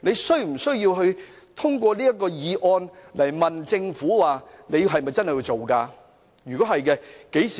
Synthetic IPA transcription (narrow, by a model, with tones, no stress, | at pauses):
ne˨˧jsɵ˥ɥm̩˨˩sɵ˥ɥjiː˧wɦɵ˧ɥ | t̪ʰʊ˥ŋkʷɔː˧liː˥ɐ˥t̚kːɔː˧jiː˨˧ʔɔː˧nlɐ˨˩jmɐ˨nt͡sɪ˧ŋfuː˨˥waː˨ne˨˧jɦɐ˨jmɐ˨jt͡sɐ˥nhjiː˧wt͡so˨wkaː˧ | jyː˨kɔː˨˥hɐ˨jkɛ˧ke˨˥jsiː˨